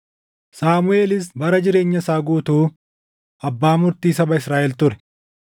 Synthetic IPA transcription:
saːmʊʔeːlɪs̬bɐɾɐd͡ʒɪɾe̞ːɲːɐsaːɡuːt̪uː | ɐbːaːmʊɾt̪iːsɐbɐɪsɾaːʔɛlt̪ʊɾɛ̥

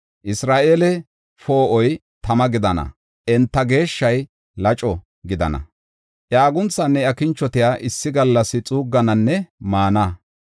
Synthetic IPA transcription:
ʔɪsɾaːʔelɛ | fo̞ːʔɔj | t̪ɐmɐɡɪd̪ɐnɐ̰ | ʔɛnt̪ːɐɡe̞ːʃːɐj | lɐt͡ʃʼɔ | ɡɪd̪ɐ̰nɐ̰ | ʔjaːɡʊnt͡sːɐnːɛɐkɪnt͡ʃːɔt̪ɪjaːʔɪsːɪɡɐlːɐsɪt͡sʼuːɡːɐnɐnːɛmaːnɐ

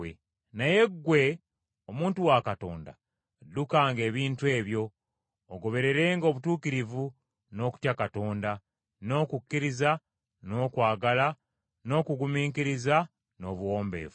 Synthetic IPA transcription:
e | naje̞ɡwe̞ | omuːntuwakato̞̰ːnda̰ | dːukaːŋɡe̞ːβiːntue̞ːβjo̞ː | ɡo̞βe̞ɾe̞ɾe̞ːŋɡo̞ːβutuːkiɾivu | no̞ːku̥tjakato̞ːnda | no̞ːkukːiɾiza | no̞ːkwaːɡala | no̞ːkuɡumiːŋkiɾiza | no̞ːβuwo̞ːmbe̞̰ːvu

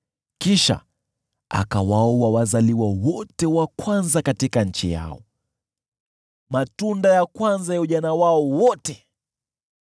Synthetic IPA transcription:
kiʃa̰ | a̰kawaɔwawazaliwawɔtɛwakwanzakatikaɲ̩t͡ʃḭja̰ɔ̰ | matundajakwanzajauʄanawaɔwɔtɛ

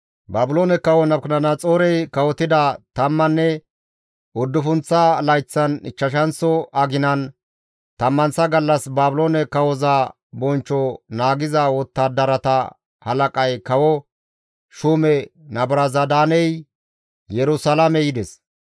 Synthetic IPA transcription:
baːbɪloːnɛkɐwɔnɐbknɐnɐt͡sʼoːɾɛjkɐwɔt̪ːɪd̪ɐt̪ɐmːɐnːɛ | ʊd̪ːʊfʊnt͡sːɐlɐjt͡sːɐnɪt͡ʃːɐʃɐnsɔɐɡɪnɐn | t̪ɐmːɐnsɐɡɐlːɐsbaːbʊloːnɛkɐwɔzɐ | bɔnt͡ʃːɔnaːɡɪzɐwɔt̪ːɐd̪ɐɾɐt̪ɐ | hɐlɐkʼɐjkɐwɔ | ʃuːmɛnɐbɾɐzɐd̪aːnɛj | jɛɾʊsɐlamɛjɪd̪ɛs

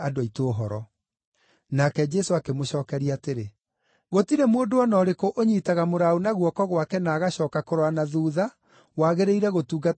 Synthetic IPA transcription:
adaitoːɦɔɾɔ | nakɛd͡ʒɛsoakemoɕɔːkɛɾiateɾe | ɣotiɾemoondoɔnɔːɾekoʔoɲiːtaɣamoɾaonaɣwɔkɔɣwakɛnaːɣaɕɔːkakoɾwanaðuːða | waːɣeɾeiɾɛɣotuːɣɡa

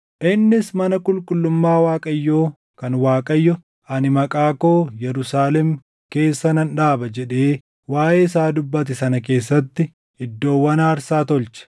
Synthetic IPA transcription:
ʔɪnːɪsmɐnɐkʼʊlkʼʊlːʊmːaːwaːkʼɐjːoː | kɐnwaːkʼɐjːɔ | ɐnɪmɐkʼaːko̞ːjɛɾʊsaːlɛm | ke̞ːsːɐnɐnᶑaːbɐd͡ʒɛᶑe̞ː | waːʔeːɪsaːd̪ʊbːɐt̪ɛsɐnɐk̬e̞ːsːɐt̪ːɪ | ɪd̪ːo̞ːwːɐnaːɾsaːt̪ɔlt͡ʃɐ̥

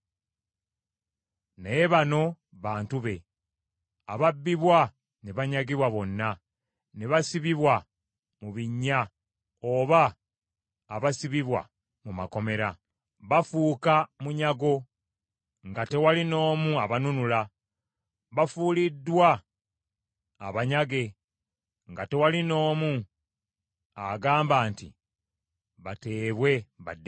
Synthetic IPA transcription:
neβano̞ | βaːntuβe̞ | aβabːiβwa | neβaɲaɡiβwaβo̞nːa | neβasiβiβwa | muβiɲːa | oːβaː | βasiβiβwa̰ | mumako̞me̞ɾa | βafuːkamuɲaɡo̞ | ŋɡate̞walino̞ːmuaβanunula | βafulidːwa | βaɲaɡe̞ | ŋɡate̞walino̞ːmu | aɡaːmbaːntḭ | βate̞ːβwe̞βad

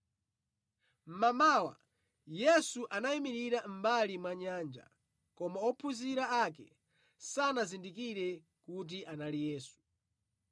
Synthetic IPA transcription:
m̩mamawa̰ | jɛsuʔanaimiɾiɾam̩balimwaɲaːnd͡ʒa̰ | kɔmaɔpʰuziɾaakɛ̰ | sanazindikiɾɛ | kut̬iʔanalijɛːsu̥

